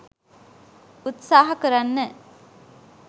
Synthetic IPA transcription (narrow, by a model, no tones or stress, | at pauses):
ut̪saːɦɐkəɾanːə